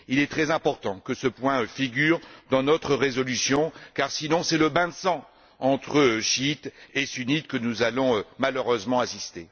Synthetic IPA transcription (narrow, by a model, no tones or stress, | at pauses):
ilɛt̪χɛzɛ̃pɔʁt̪ɑ̃kəsəpwɛ̃fiɡʲyːʁd̪ɑ̃nɔt̪χəʁezɔlysjɔ̃kaʁsinɔ̃sɛləbɛ̃sɑ̃ | ɑ̃t̪χəʃit̪esynit̪kənuzalɔ̃ømaløʁøzmɑ̃asist̪e